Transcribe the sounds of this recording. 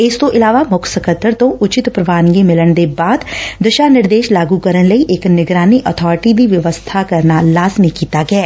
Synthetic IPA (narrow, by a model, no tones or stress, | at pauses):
ɪst̪õːʔɪlaːʋaːmʊkʰsəkət̪ːəɾt̪õːʔʊt͡ʃɪt̪pɾəʋaːnɡiːmɪləɳd̪eːbaːd̪d̪əʃaːnɪɾd̪eːʃlaːɡuːkəɾənləiːʔɪknɪɡɾaːniːʔɔt̪ʰɔːɾʈiːd̪iːʋjəʋəst̪ʰaːkəɾnaːlaːzmikiːt̪aːɡɛː